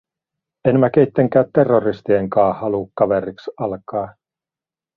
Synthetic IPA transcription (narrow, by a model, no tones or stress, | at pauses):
enmæk̟ejt̪ːeŋkæːt̪ːe̞rːorist̪ieŋkɑːhɑlukːɑʋeɾiksɑlkɑː